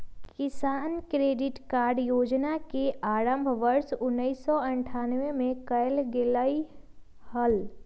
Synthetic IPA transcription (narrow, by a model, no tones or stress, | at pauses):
kɪsaːnkɾeːɖɪʈkaːɾɖjoːd͡ʒnakeʔaːɾə̃mbʱʋəɾsʊnːəisːɔɐ̃ɳʈʰaːnʋemẽkɐjlɡɪlai | həl